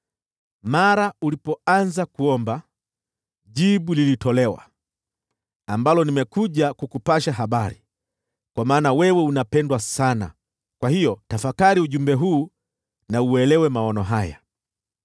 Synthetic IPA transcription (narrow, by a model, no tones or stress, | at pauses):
maɾaulipɔanzakuɔmba | ʄiɓulilitɔlɛwa̰ | ambalɔnimɛkuʄakukupaʃaɦaɓaɾi | kwamaːnawɛwɛunapɛndwasana̰ | kwahijɔtafakaɾiuʄumbɛɦuː | nauwɛlɛwɛmaɔnɔɦaja̰